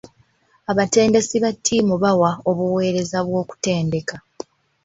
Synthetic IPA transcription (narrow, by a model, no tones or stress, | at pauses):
aβate̞ːnde̞siβatʰːiːmuβawao̞βuwe̞ːɾe̞zaβwo̞ːku̥te̞ːnde̞ka